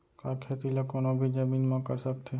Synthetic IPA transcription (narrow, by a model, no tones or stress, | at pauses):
kakʰeːt̪ilakoːnobʱid͡ʒəmiːnmãkəɾsək̚t̪ʰe